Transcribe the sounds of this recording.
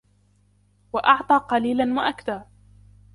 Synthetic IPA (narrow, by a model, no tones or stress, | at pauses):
waʔɑʕt̪ˤɑːqɑliːlanwaʔakd̪aː